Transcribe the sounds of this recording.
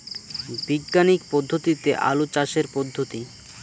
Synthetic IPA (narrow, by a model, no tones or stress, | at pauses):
biɡːanikpɔd̪ʱːot̪it̪eʔa̰lut͡ɕaʃeɾpɔd̪ʱːot̪i